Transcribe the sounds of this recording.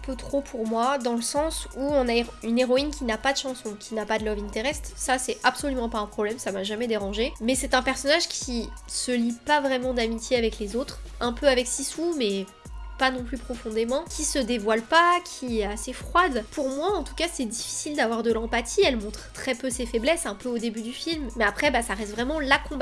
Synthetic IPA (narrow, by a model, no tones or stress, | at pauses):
ɛ̃pøt̪χopʰuʁmwad̪ɑ̃ləsɑ̃suɔ̃nayneʁɔinkʲinapad̪əʃɑ̃sɔ̃kʲʰinapad̪əlɔvint̪eʁɛst̪χsasɛabsolymɑ̃paɛ̃pχɔblɛmsamaʒamɛd̪eʁɑ̃ʒemɛsɛt̪ɛ̃pɛʁsɔnaʒkʲisəlipavʁɛmɑ̃d̪amit̪jeavɛklezot̪χɛ̃pøavɛksisumɛ | panɔ̃plypχɔfɔ̃d̪emɑ̃kʲisəd̪evwalpakʲʰiɛasefχwad̪pʰuʁmwaɑ̃t̪u̥kasɛd̪ifi̥sild̪avwaʁd̪əlɑ̃pat̪ʰiɛlmɔ̃t̪χt̪χɛpøsefɛblɛsɛ̃pøod̪ebyd̪yfilmːɛapχɛbasaʁɛst̪vʁɛmɑ̃lakɔ̃ba